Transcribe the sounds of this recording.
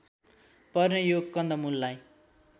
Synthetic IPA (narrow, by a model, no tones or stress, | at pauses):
pʌrnʌjoɡ̚kʌnd̪ʌmulːaj